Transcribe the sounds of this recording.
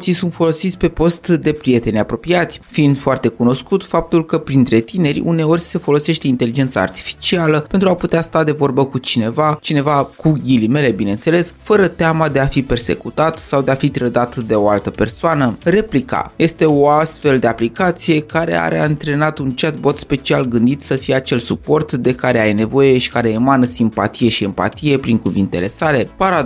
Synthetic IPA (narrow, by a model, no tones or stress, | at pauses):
sisunt̪fo̞lo̞sit̪sʲpe̞po̞st̪d̪e̞pɾije̞t̪e̞nʲapɾo̞piat̪sʲfind̪foart̪e̞kuno̞skut̪fap̚t̪ulkəpɾint̪ɾe̞t̪ine̞ɾʲṵne̞o̞rʲse̞fo̞lo̞se̞ʃt̪e̞int̪e̞lid͡ʒe̞nt̪sa̰a̰rt̪i̥fi̥t͡ʃialəpe̞nt̪ɾuaput̪east̪ad̪e̞vo̞rbəkut͡ʃine̞vat͡ʃine̞vakuɡʲilime̞le̞bine̞ɨnt̪se̞le̞sfəɾət̪eamad̪e̞afipe̞rse̞̰kut̪at̪sawd̪eafit̪ɾəd̪at̪d̪e̞o̞alt̪əpe̞rsoanəre̞plika̰je̞st̪e̞o̞ast̪fe̞ld̪e̞aplikat̪sije̞kaɾe̞̰a̰ɾea̰ɨnt̪ɾe̞nat̪unt͡ʃet̪̚bo̞t̪spe̞t͡ʃialɡɨnd̪it̪səfijeat͡ʃe̞lsupo̞rt̪d̪e̞kaɾe̞ajene̞vo̞je̞ʃi̥kaɾe̞ːmanəsimpa̰t̪ije̞ʃiempa̰t̪ije̞pɾiŋkuvint̪e̞le̞sale̞paɾa